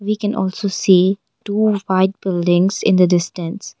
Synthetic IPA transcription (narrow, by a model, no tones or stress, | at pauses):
ʋiːkɛ̃nʔɔ̰ːlsoːsiː | ʈuːfaɪʈ̚b̥ɪlɖɪ̃ŋzɪ̰̃nd̪əɖɪsʈə̃ns